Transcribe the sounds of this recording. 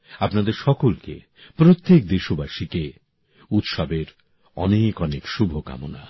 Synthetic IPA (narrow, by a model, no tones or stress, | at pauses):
apnad̪eɾʃɔkolkḛ | pɾot̪ːek̚d̪eʃubaʃike | ut̪ʃɔbeɾ | ɔ̰nekɔnekʃubʱoka̰mo̰na̰